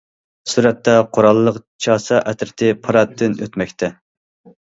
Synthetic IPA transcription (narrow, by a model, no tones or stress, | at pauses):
suɾɛt̪ːɛqʰoɾɑlˠːəqt͡ʃʰɑːsɑʔɛt̪ɾɪt̪ʰɪpʰɑɾɑt̪ʰːɪnø̰t̪mɛkʲt̪ʰɛ